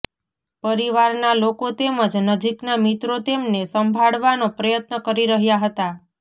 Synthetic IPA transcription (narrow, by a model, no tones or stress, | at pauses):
pəɾiʋaɾnalokot̪eməd͡ʒnəd͡ʒiknamit̪ɾot̪emnesəmbʱaɭʋanopɾəjət̪nəkəɾiɾəɦjaɦət̪a